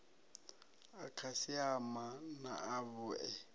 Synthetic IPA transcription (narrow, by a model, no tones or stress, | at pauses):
akʰasɪamanaaβʊɛ